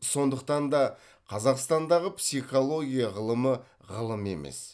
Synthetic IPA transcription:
so̞nd̪əq̚t̪ɑnd̪ɑ | qʰɑzɑqst̪ɑnd̪ɑʁəpsiχo̞lˠoɡʲijɑʁəlˠəmə | ʁəlˠəme̞̰me̞̰s

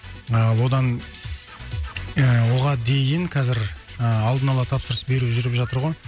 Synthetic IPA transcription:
ɑlˠwo̞d̪ɑn | əwo̞ʁɑd̪e̞jɪŋqʰɑzɪɾ | əɑlˠd̪ənɑlˠɑt̪ʰɑpsəɾəsbe̞ɾuʒʏɾɪpʒɑt̪əɾʁo̞j

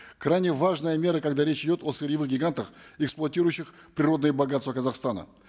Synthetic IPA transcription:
kɾajnʲɪvaʐnəjəmʲe̞ɾəkɐɡd̪aɾʲet͡ɕɪdʲo̞t̪osɨɾʲjɪvɨxɡʲɪɡant̪əxɛksplˠʊɐtʲiɾʊjʊɕːɪx | pɾʲɪɾo̞d̪nəjəbɐɡat̪st̪vəkɐzɐχst̪anə̰

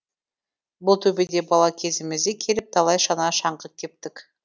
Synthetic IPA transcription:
bʊlˠt̪ʰɵbed̪e̞bɑlˠɑkʲʰe̞zɪmɪzd̪ɪkʲʰe̞lɪp̚t̪ʰɑlˠɑjʃɑnɑʃɑɴqət̪kʲʰe̞p̚t̪ɪk

